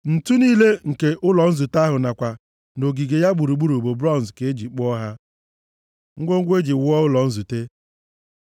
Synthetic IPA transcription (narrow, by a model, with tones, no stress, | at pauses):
n̩˨tu˦niː˦le˦ŋ̩˨ke˦ʔʊ˦lɔ˨n̩˦zu˨ta˦ɦʊ˨na˨kʷa˨ | no˨ɡi˨ɡe˨ja˦ɡ͡bu˨ɾu˨ɡ͡bu˦ɾu˨bo˨bɾɔ˦n˨zke˨e˦d͡ʒi˨k͡pɔ˦ɦa˦ | ŋ̩˦ɡʷo˦ŋ̩˦ɡʷe˦d͡ʒi˨wʊ˦ɔ˦ʊ˦lɔ˨n̩˦zu˨te˦